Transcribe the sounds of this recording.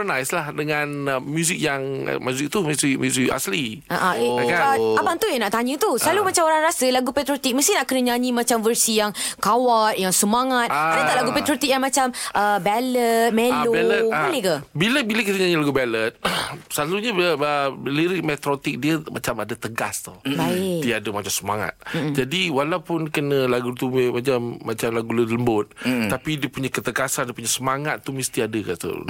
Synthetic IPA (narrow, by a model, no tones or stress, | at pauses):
pənajslahdəŋãnmjuzik̚jaŋ̰mjuzik̚t̪umuzik̚mjuzika̰sli | aʔãʔkaapaŋt̪ujaŋnaʔt̪aɲut̪usəlalumat͡ʃamoɾaŋɾasəlaɡupɛt̪ɾot̪ik̚məst̪inaʔkənəɲãɲĩmat͡ʃamvərsijaŋkawat̪̚jaŋsəmaŋat̪adat̪aʔlaɡupɛt̪ɾot̪ik̚jaŋmat͡ʃamʔəbɛlət̪̚mẽloɛləbaləkabiləbiləkit̪əɲaɲəlaɡubɛlət̪̚saluɲabəliɾik̚mɛt̪ɾot̪ik̚diəmʔa̰t͡ʃamadət̪əɡast̪ubaid̪iadəmat͡ʃamsəmaŋa̰t̪d͡ʒadiwalawpʊnkənə̃laɡut̪umat͡ʃamːat͡ʃamlaɡulədləmbʊt̪̚ːapidiəpuɲakət̪əɡasandiəpuɲasəmaŋat̪ːumist̪iadəka̰t̪ṵ